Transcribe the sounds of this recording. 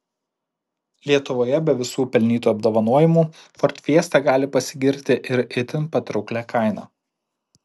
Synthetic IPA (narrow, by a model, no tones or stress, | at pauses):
lʲiɛt̪ʊʋoːjɛbʲɛʋʲɪsuːpʲɛlʲnʲiːt̪uːɐb̚d̪oːʋɐnuɔjɪmuːfɔɾʲt̪ʲʋʲiɛst̪ʲɛɡɑːlʲɪpɐsʲɪɡʲɪɾʲt̪ʲɪʔɪɾɪt̪ʲɪnpɐt̪ɾɔʊklʲækʰɑˑɪnɑ̰ː